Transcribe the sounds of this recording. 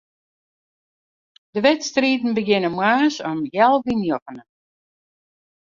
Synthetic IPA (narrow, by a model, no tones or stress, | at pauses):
dəʋɛtstriːtn̩bəɡɪnəmwaːsɔmjɛlˠʋinjɔfənə